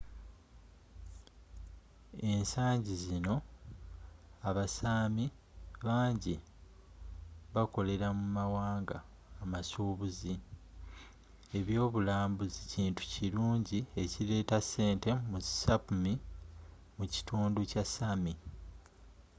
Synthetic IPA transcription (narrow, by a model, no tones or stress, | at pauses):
e̞nsaːɲɟizino̞ | aβasami | βaːɲɟi | βako̞le̞ɾamumawaːŋɡaː | masuːβuzi | e̞βjo̞ːβulaːmbuziciːntu̥ciɾuːɲɟie̞ciɾe̞ːtasːe̞ːnte̞musapumi | muci̥tuːnducasami